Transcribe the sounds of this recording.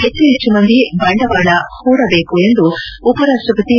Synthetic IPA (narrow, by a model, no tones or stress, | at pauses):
ɦet͡ʃːuɦet͡ʃːumɐnd̪ibɐɳɖɐʋaːɭɐhuːɾɐbe̞ːkuend̪uːpɐɾaːʂʈɾɐpɐt̪i